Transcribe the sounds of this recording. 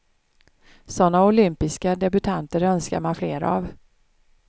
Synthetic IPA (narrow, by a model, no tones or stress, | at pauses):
sɔnːaʊlʏmpɪskad̪ɛbɵt̪ʰant̪əɾœnska̰ɾmanfleːɾa̰v